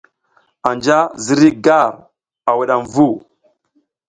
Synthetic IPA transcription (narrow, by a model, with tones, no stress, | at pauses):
a˨nd͡ʒa˦zi˦ɾi˦ɡa˦˨ɾ | a˨wi˨ɗa˨mvu˦˨